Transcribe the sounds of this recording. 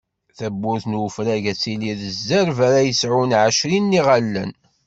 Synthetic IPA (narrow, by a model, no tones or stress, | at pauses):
θæbːʊɾθnwəfɾæʝæt͡sːiliðəzːəɾvæɾæjəsʕunʕəʃɾinːiʁalːə̰n